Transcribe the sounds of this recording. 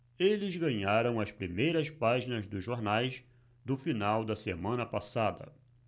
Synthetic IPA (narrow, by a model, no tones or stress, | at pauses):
elɪzɡɐ̃ɲaɾɐ̃w̃ɐspɾimejɾɐspaʒinɐzd̪ʊzʒoɾnajs | d̪ʊfinawd̪ɐsemɐ̃nɐpasad̪ɐ̰